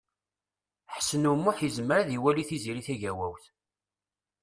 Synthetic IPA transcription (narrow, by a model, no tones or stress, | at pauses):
ħə̥sːənumːuħjəzməɾaðiwæliθiziɾiθæʝæwæwθ